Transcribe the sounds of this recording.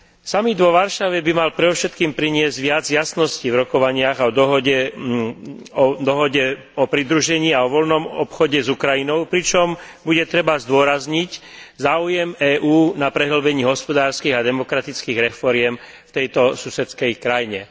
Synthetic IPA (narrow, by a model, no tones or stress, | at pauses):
samid̪ʋɔʋaɾʃaʋɛbimalpɾɛd̪ɔfʃɛt̪kiːmpɾiɲɪɛzɟʋɪad͡zjasnɔscivɾɔkɔʋaɲɪaɣaɔd̪ɔɦɔɟɛ | ɔd̪ɔɦɔɟɛ | ɔpɾid̪ɾuʒɛɲiːaɔʋɔlnɔmɔpxɔɟɛzukɾajinɔʊpɾit͡ʃɔm | buɟɛt̪ɾɛbazd̪ʊɔɾazɲiczaːujɛmɛːʔuːnapɾɛɦl̩bɛɲiːɦɔspɔd̪aːɾskiːɣad̪ɛmɔkɾat̪it͡skiːɣɾɛfɔɾɪɛm | ft̪ɛjt̪ɔsusɛt͡skɛjkɾajɲɛ